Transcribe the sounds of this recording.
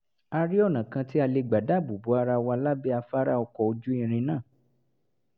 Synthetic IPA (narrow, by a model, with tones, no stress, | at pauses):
a˧ɾi˦ɔ˦˨nã˨kã˧ti˦a˧le˧ɡ͡ba˨da˨˦˨bu˨bu˨˦a˧ɾa˧wa˧la˦bɛ˦a˧fa˦ɾa˦ɔ˧kɔ˨o˧d͡ʒu˦ĩ˦˨ɾ̃ĩ˧nãː˦˨